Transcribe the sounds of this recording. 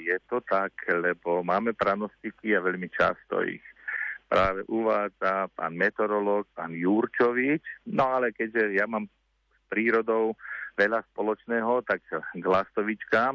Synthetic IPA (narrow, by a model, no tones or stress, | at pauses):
jɛt̪ɔt̪aklɛbɔmaːmɛpɾanɔst̪ikiaʋɛʎmit͡ʃa̰st̪ɔ̰ḭxpɾaːʋɛʔuʋaːd͡zapa̰ːnmɛt̪ɔɾɔlɔːk̚paːnjuɾt͡ʃɔʋit͡ʃnɔalɛkɛɟʒɛjamaːm | spɾiːɾɔd̪ɔʊʋɛʎaspɔlɔt͡ʃnɛːɦɔt̪aɡɡlast̪ɔʋit͡ʃkaːm